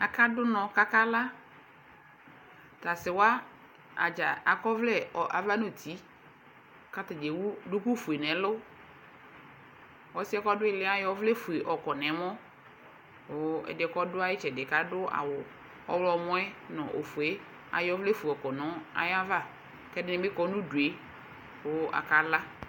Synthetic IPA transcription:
a˨ka˦dʊ˦nɔ̃˨ka˦ka˦la˦ | ta˨sɪ˨wa˦ | a̰˨d͡ʒa˨a˨kɔ˦vlɛ˦ɔ˨ʔa̰˨va˦no˨tʰi˨˦ | ka˦ta˨d͡ʒe˨wu˦dʊ˦ku˦fu˨e˨nɛ˨˦lʊ˦ | ɔ˨˦sɪ˦ɛ˦kɔ˦dʊ˦ɪ˦˨lɪ˦a˨jɔ˦vlɛ˦fu˨e˨ʔɔ˨kɔ˨nɛ̃˨˦mɔ̃˦ | ʊ˨ɛ̰˨dɪ˨kɔ˦dʊ˦a˦jɪ˦t͡ʃɛ˨dɪ˨ka˨˦dʊ˦a̰˨wʊ˨ | ɔ̰˦wlɔ˨mɔ̃˦ɛ˦nɔ̰̃˨ʔo˨fu˨e˦ | a̰˨jɔ˦vlɛ˦fu˨e˨ɔ˨kɔ˨nɔ̃˨˦a̰˨ja˦va˦˨ | kɛ˦dɪ˨˦nɪ̃˨bɪ˦kɔ˨˦nʊ̃˦du˨e˨˦ | ʊ˨˦a̰˨ka˨˦la˦

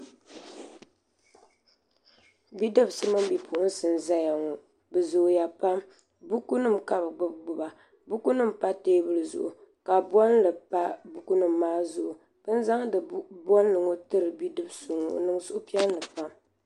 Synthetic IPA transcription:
bi˦dɨ˦bsɨ˦mɨ˦m˦bi˨pʰu˨ʔʊ˦n̩˦sɨ˨nza˦ja˨ŋo˨ | bɨ˨zʊ˨ja˨pa˦m | bu˦ku˦nɨ˦mka˨bɨ˨ɡ͡bɨ˦b̚ɡ͡bʊ˨ba˨ | bu˦ku˦nɨ˦mpa˦teː˦bɨ˦lɨ˨zʊ̰˨ʔʊ̰˨ | ka˨bɔ˦nlɨ˨pa˦bu˦ku˦nɨ˦˨mː˨aː˦zʊ˦ʔʊ˨ | b̥ɨ˦nza˦ŋdɨ˨bɔ˦n˦lɨ˨ŋo˦tɨ˦ɾɨ˨bi˦dɨ˦bso˨ŋo̰˨nɨ˦ŋsʊ˦ʔʊ˦pi˦ɛ˦n˦lɨ˨pa˦m

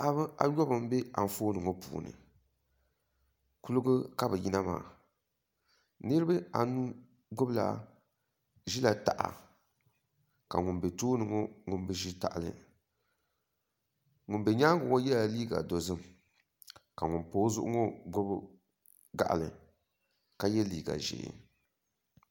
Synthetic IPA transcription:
a˦βɨ˦a̰˦jɔ˦bɨ˨m˦be˦a̰˨m̩˨foː˦nɨ˨ŋo˦pṵː˨nɨ̰˨ | ku˦lʊ˦ɡɨ˦ka˦bɨ˨ji˦na˦ma̰ː˨ | nɨ˦ɾɨ˦bɨ˦a̰˨nu˦ | ɡʊ˦bla̰˨ | ʒi˦la˨ta˨ʔa̰˨ | ka̰˨ŋʊ˨nbe˨toː˦nɨ˨ŋo˦ŋʊ˨n˦bɨ˦ʒi˦ta̰˨ʔlɨ̰˨ | ŋʊ˨nbɛ˨ɲa˦ŋʊ˨ŋo˦jɛ˦la˨liː˦ɡa̰˨do˨zɨ˦m | ka˨ŋʊ˨npoː˦zʊ˦ʔʊ˦ŋɔ˦ɡʊ˦b | ɡa̰˨ʔlɨ̰˨ | ka˦jɛ˦liː˦ɡa̰˨ʒḛː˨

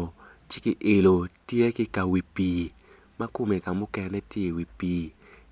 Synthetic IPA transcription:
t͡ʃɪ˦kɪ˨ʔe˨lo˨tje˦kɪ˦ka˨wi˨pi˨ | ma˦kʊ˦me˨ka˨mʊ˦kɛ˨nɛ˦tɪ˦e˨wi˨piː˨

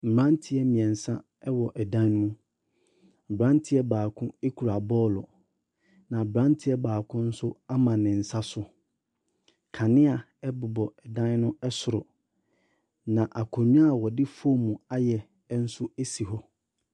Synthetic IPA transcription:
m̩˨bɾã˦ntʰɪ˦ɛ˦mĩ˨ɛ̃˨n̩˨sã˦ | ɛ˦wɔ˨ʔɛ˨dã˦n˦ũ˦˨ | bɾã˦n˦tʰɪ˦ɛ˦baː˨kʰʊ̃˦e˦kʰu˨ɾa˨bɔː˦lɔ̰˨ | nã˨bɾã˦ntʰɪ˦ɛ˦baː˨kʰʊ̃˦n̩˦sʊ˦a˦mã˨nɪ̃˨n̩˨sa˦sʊ˦ | kʰa˨nɪ̃˦a˨ | ɛ˦bʊ˨bɔ˨ɛ˨dã˦n˦nʊ̃˦ɛ˦sʊ˨ɾʊ˨ | nã˨ʔa˨kʰɔ˨ɲũ˦a˦˨wɔ˨dɪ˦fo˦mũ˨a˦jɛ˨˦ | n̩˦sʊ˦e˦si˨ɦɔ˦

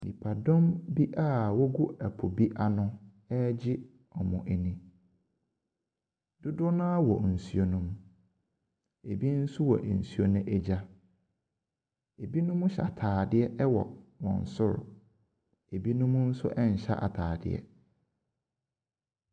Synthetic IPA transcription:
nḭ̃˨pʰa˨dɔ̃˦mbi˦ʔa˦˨wɔ˦ɡu˦æ˨pʰʊ˨bi˦ʔa˨nʊ̃˦ | ɛ˦d͡ʑɪ˦ | ɔ˨mʊ̰̃˨ʔɛ˨nĩ˦ | d̥ʊ˦dʊ˦nã˦a˦wɔ˨n̩˨su˦o˨nũ˦m | e˨bi˦n̩˦sʊ˦wɔ̰˨ʔe˨n̩˨su˦o˦nʊ̃˦ʔɛ˦d͡ʑa˦ | e˨bi˦nʊ̃˦mʊ̃˦ɕa˨tʰaː˨dɪ˦ɛ˦ʔɛ˦wɔ̰˨wɔ̰̃˨n̩˨sʊ˦ɾ | e˨bi˦nʊ̃˦mʊ̃˦n̩˦sʊ̰˦ʔɛ˦ɲ̩˨ɕa̰˦ʔa̰˨tʰaː˨dɪ̰˨ɛ̰˨

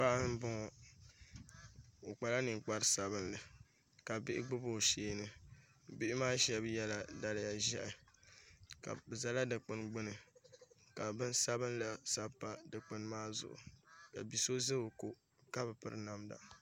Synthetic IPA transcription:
pa˦ʔa˦m̩˦bʊ˦ŋɔ˨ | o˨k͡pa˨la˦nɨ˨ŋ˨k͡pa˦ɾɨ˦sa˦βɨ˦n˦lɨ˨ | ka˨bɪ˦ɪ̰˦ɡ͡bɨ˦bo˦˨ʃeː˦nɨ˨ | bɪ˦ʔɪ˦maː˦ʃɛ˦bjɛ˦la˨da˦lɪ˦ja˨ʒɛ̰˦ʔɪ˨ | ka̰˨bɨ˨za˦la˦dɨ˨k͡pɨ˦nɡ͡bɨ˦nɨ˨ | ka˨bɨ˦n˦sa˦bɨ˦n˦la˨sa˦pːa˨dɨ˨k͡pɨ˦n˦maː˦zʊ̰˨ʔʊ̰˨ka̰˨bi˨so˦zɨ˦bɨ˨ko˦ | ka˦bɨ˨pɨ̰˦ɾɨ˦na˦mda̰˨

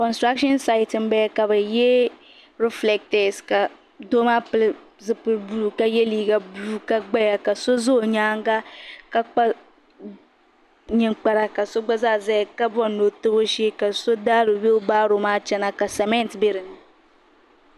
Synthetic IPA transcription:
kɔ˨nstɾa˦kʃɔ˦nsa˦ɪ˨tɨ˨m˦bɛː˦ka˨bɨ˨jɛ˦ | ɾɛ˦flɛ˦k̚tɛ˨ska˨ | do˦maː˦pɨ˦l | zɨ˦pɨ˦lbu˦˨ka˦jɛ˦liː˦ɡa˨bu˦ka˦ɡ͡ba˦ja˨ka˨so˦zo˦˨ɲaː˦ŋ˦ɡa˦ka˦k͡pa˦ | ɲɛ˨ŋk͡pa˦ɾa˨ka˨so˦ɡ͡ba˦zaː˦˨zɛ˦jka˦bɔ˦no˨tɨ˦bo˦ʃɛ˦ka˨so˦daː˦lo˨be˦o˦baː˦ɾo˨maː˦t͡ʃɛ˦na˦ka˨sɛ˨mɛ˦ntbe˦ɾɨ˨nɨ˨

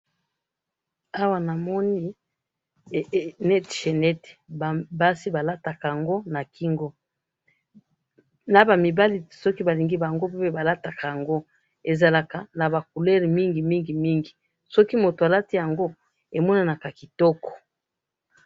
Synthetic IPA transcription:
a˦wa˨na˨mɔ˦ni˦˨ | nɛ˦tʃe˨nɛ˦te̥˨bba˦si˦ba˨la˦ta˨ka˨ja˨ŋɡo˦na˨ki˦ŋɡɔ˦ | na˨ba˨mi˨ba˦li˦sɔ˦ki˦ba˨li˨ŋɡi˦ba˨ŋɡo˦pe˦pe˦ba˨la˦ta˨ka˨ja˨ŋɡo˦ | e˨za˨la˨ka˨na˨ba˨k̚u˨lɛ˦ʁmi˦ŋɡi˨mi˦ŋɡi˨mi˦ŋɡi˨ | sɔ˦ki˦mo˨to˨a˨la˦ti˦ja˨ŋɡo˦ | e˨mɔ˦na˨na˨ka˨ki˨tɔ˦kɔ̥˨

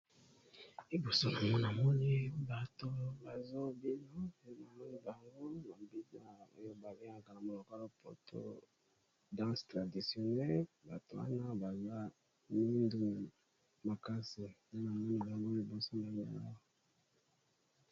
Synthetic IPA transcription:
i˦bo˨so˦na˨mɔ˦na˨mɔ˦ni˦ba˨to˨ba˨zo˦bi˦nɔ˦na˨mɔ˦ni˦ba˨ŋɡo˦na˨bi˦na˦o̰˦jo˦ba˨bi˦a˨ka˨na˨mo˨lo˨ka˦lo˦pʰo̰˦tʰo̰˦ | dã˦stʁa˨di˨sjo˨nɛ˦lba˨to˨wa̰˦na˦ba˨za˦ | mi˦ndu˦˨ | ma˨ka˦si˨na˦na˨mɔ˦ni˨ba˨ŋɡo˦li˨bo˨so˦na˨ja˦˨

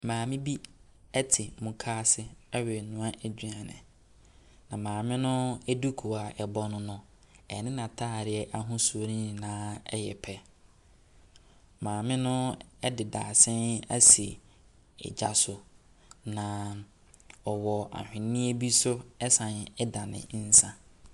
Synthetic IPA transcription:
mãː˨mɪ̃˦bi˦ | ɛ˦tʰɪ˨mũ˨kʰaː˦sɪ˦ɛ˦ɥɪ˨nʊ̃˦a˦ʔɛ˨d͡ʑᶣɥa˨nɪ̰̃˨ | nã˨mãː˨mɪ̃˦nʊ̃˦ɛ˦du˦kʰu˨a˨ʔɛ˨bɔ˦nʊ̃˦nʊ̃˦ | ɛ̰˨nɪ̃˦nã˨tʰaː˦˨ɾɪ˦ɛ˦ʔa˦ɦʊ̃˦su˨o˨nĩ˦ɲĩ˨nãː˦ɛ̰˦jɛ˨pʰɛ˦ | mãː˨mɪ̃˦nʊ̃˦ɛ˦dɪ˨daː˨sɛ̃˦na̰˦si˨ | ɛ̰˨d͡ʑa̰˨sʊ˨ | nã˨ | ɔ˨wɔ˨a̰˨hᶣɪ̃˨nĩ˦e˦bi˦sʊ˦ɛ˦sã˨nɛ˦dã˨nɪ̰̃˨˦n̩˦sã˦

